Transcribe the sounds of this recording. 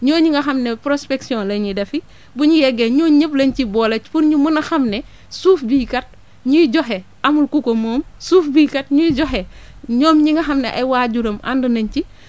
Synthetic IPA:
ɲɔːɲiŋɡɐxɐmnepɾospeksiɔ̃nleɲidɐfi | buɲijɛɡeɲoːɲəplɐɲcibɔːlɐcpuɾɲumunɐxɐmne | suːfbikɐt̚ | ɲujiɟoɦeʔɐmulkukomoːmsuːfbikɐt̚ɲuiɟoɦe | ɲɔːmɲiŋɡɐxɐmneʔɐ̰jwaːɟuɾɐma̰ndunɐɲci

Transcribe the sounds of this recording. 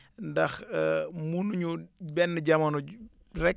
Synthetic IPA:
ndɐxmunuɲubɛnːəɟɐmɐnu | rɛk̚

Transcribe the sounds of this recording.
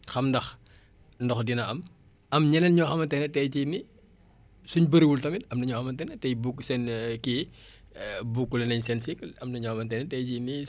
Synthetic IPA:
xɐmdɐx | ndɔxdinɐɐm | ʔɐmɲɛnɐnɲɔxɐmɐntɛnɛtɛjcini | suɲbəɾiwultɐmitɐmnɐɲɔxɐmɐntɛnɛtɛjbukːsɛnki | bukːulɐnɐɲsɛnsikːlɐmnɐɲɔxɐmɐntɛnɛtɛjcini

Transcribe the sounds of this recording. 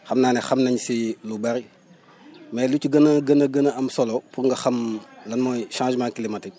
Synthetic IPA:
xɐmnaːnɛxɐmnɐɲsilubɐɾi | mɛlucuɡɐnɐɡənəɡənəɐmsɔlɔpuŋɡɐxɐmlɐnmɔːjʃãːʒmãːŋkilimɐti

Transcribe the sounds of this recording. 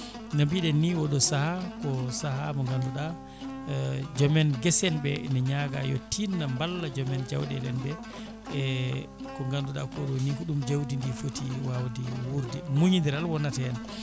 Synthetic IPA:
nabiɗɛnːiwɔɗɔsahakɔsahamɔŋɡanduɗa | d͡ʒɔmɛnɡɛsɛnbɛnɛɲaɡa̰jɔ̰tːinːambalːad͡ʒɔmɛnd͡ʒa̰wɗɛ̰ɗɛnbɛ | kɔŋɡanduɗa̰kɔɗɔnikuɗumd͡ʒawdindifotiwawdiwuɾdɛmuɲindiɾalwɔnːatɛan

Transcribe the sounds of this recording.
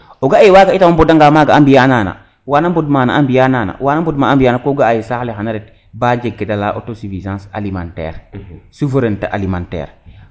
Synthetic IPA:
oɡaewaːɡaitamambudaŋɡaːmaːɡaambijaːnaːna̰ | waːnambudmaːna̰ambijanaːna̰waːnambudmaambijanakoɡaajisahlehanaɾet | bad͡ʒeɡːedalaʔo̰tosivizãːsa̰limãntɛ̰ːɾsufeɾenteʔa̰limãntɛ̰ːɾ

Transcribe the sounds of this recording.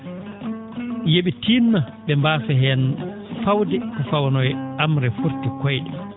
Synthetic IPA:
jeɓitinma | ɓɛmbaːfɛɦɛnfawdɛkɔfawnɔjamɾɛfuɾtikɔjɗɛ

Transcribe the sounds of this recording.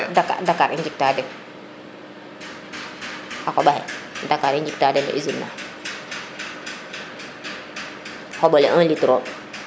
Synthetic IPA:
daka̰dakaɾind͡ʒik̚taːdɛn | akɔbahɛ̰dakaɾind͡ʒik̚tadɛna̰ʔizinːa̰ | hobɔlɛʔãnlitɾo

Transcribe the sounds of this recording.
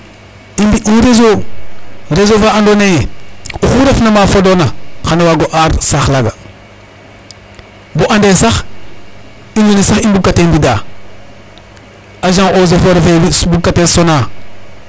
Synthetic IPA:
imbiʔiɾezo | ɾezovaandonejeuxuɾafnamafodonaxanawaɡoʔaɾsaxlaɡa | boʔandesax | indonesaxibukːatembida | aʒaŋozofoɾfewibukːatesona

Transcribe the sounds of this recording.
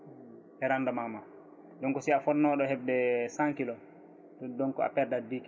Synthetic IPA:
ʔɛɾandamama | ɗɔŋkɔsiafɔnːɔɗɔhɛb̚dɛsaŋkilɔ | dɔdɔŋkɔa̰pɛɾdadik

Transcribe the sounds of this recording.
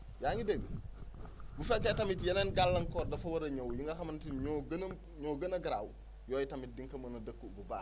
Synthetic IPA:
jaɲideɡə | bufɛlkːetɐmitjɐneːnɡalːɐŋkɔːɾdɐfɐwɐɾɐɲowjuŋɡɐxɐmɐntiɡ | ɲoɡɐnɐɡɾaw | jɔːjitɐmit̚diŋkɐmɐnɐdəkːubɐbaː

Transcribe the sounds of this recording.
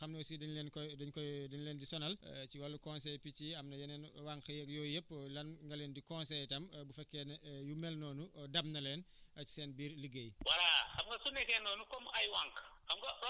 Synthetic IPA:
xɐmnɐwsidɐɲlɛnkɔdɐɲkɔdɐɲlɛːndisɔnɐl̰ciwɐlːukɔnsɛjpiciɐmnɐjɐnɛnwaŋkɐjɛkjɔːjəpːlɐnŋɡɐlɛndikɔnsɛjtɐmbufɛkːɛnɐjumɛlnɔːnudɐmnɐlɛn | ʔɐci̥sɛːnbiːrliɡəjwɐɾaxɐmɡɐsunɛkɛnɔːnukɔmɐjwaŋkxɐmɡɐ

